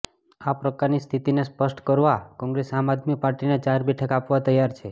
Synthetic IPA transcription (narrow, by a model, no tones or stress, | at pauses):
apɾəkaɾnist̪ʰit̪inespəʃʈkəɾʋakɔ̃ŋɡɾesamad̪ʱmipaɾʈinet͡ʃaɾbɛʈʰəkapʋat̪əjaɾt͡ʃʰe